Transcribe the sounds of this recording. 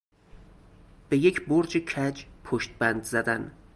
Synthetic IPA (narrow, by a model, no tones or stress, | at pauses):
b̥e̞je̞cʰboɾd͡ʒecʰæd͡ʒpʰoʃt̪̚bænd̪zæd̪æn